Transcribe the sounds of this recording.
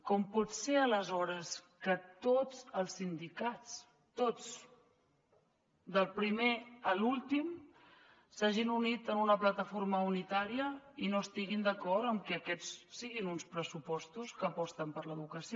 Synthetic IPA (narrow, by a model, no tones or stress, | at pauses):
kɔmpɔt̪seələzɔɾəs | kət̪od͡zəlˠsːind̪ikat͡s | t̪ot͡s | d̪əlˠpɾimeəlulˠt̪im | saʒinunit̪ənunəplət̪əfoɾməunit̪aɾiəinoəst̪iɣind̪əkɔrt̪əmkɛːkɛt͡ssiɣinunspɾəsupɔst̪uskəːpɔst̪əmpəɾləðukəsio